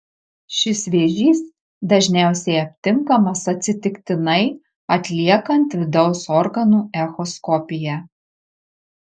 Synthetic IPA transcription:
ʃʲɪsʋʲeːʒʲiːs | d̪ɐʒʲnʲæˑʊsʲɛɪɐpʲt̪ʲɪŋkɐmɐsɐt̪ʲsʲɪt̪ʲɪkʲt̪ʲɪnɐɪ | ɐt̪ʲlʲiɛkɐnt̪ʋʲɪd̪ɒʊsɔɾɡɐnuːɛxɔskɔpʲɪjɛ

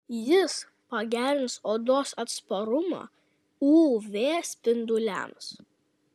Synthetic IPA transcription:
jɪs | pɐɡʲæːɾʲɪnsoːd̪oːsɐt̪spɐɾʊmɑ̰ː | uːʋʲeːsʲpʲɪnd̪ʊlʲɛ̰ms

